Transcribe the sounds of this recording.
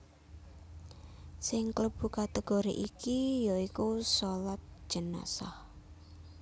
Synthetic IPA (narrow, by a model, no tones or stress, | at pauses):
sɪŋkləb̥ṳkat̪eɡ̥oɾḭʔikijoikusolat̪̚ʒ̥ə̤na̰sah